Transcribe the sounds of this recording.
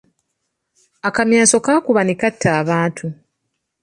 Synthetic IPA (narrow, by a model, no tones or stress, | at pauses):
akamjaːso̞kaːkuβanikatʰːaːβaːntʰu